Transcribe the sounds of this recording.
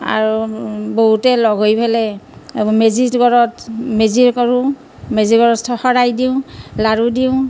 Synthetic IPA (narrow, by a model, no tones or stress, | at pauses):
a̰ɹuboɦutɛlɔɡʱojbʰʱalɛ | mezitɡɔɹɔtmeziɹkɔɹu | meziɡɔɹɔsʰɔxɔɹajdiʊ̃laɹudiʊ̃